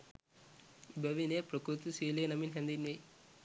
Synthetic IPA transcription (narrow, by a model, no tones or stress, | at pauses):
ibɐʋinepɾɐkɾut̪usiːlenɐminɦend̪inʋe